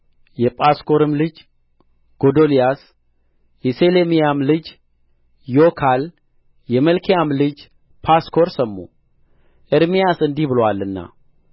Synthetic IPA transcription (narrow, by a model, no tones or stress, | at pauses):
jɛpʼasko̞ɾɨmlɨd͡ʒ | ɡ̥o̞d̪olijas | jɛselemijamlɨd͡ʒ | jokʰal | jɛməlkʰijamlɨd͡ʒ | pʰaskʰo̞ɾsəmːṵ | ʔɨɾmijasɨnd̪ihbɨlwalːɨnːa̰